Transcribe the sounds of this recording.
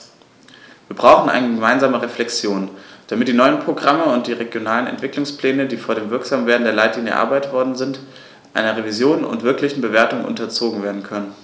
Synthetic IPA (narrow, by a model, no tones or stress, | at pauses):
viːɐbʁaʊxn̩ʔa̰ɪnəɡəmaɪnzaːməʁeflɛkt͡sjoːnd̥amɪt̚d̥iːnɔʏənpʁ̥oɡʁaməʊnt̚d̥iːʁeɡjonaːlənɛ̰ntv̥ɪklʊŋsplɛːnədiːfoːɐdeːmvɪɐkz̥aːmveːɐdn̩deːɐlaɪtliːnjə̰ɐ̰ʔa̰ɐbaɪtv̥ɔɐdn̩zɪnt | ʔa̰ɪnɐʁevizjoːnʊ̰ntv̥ɪɐklɪçn̩bəveːɐtʊŋnʔʊ̰ntɐt͡soːɡŋ̩veːɐdn̩kʰœnən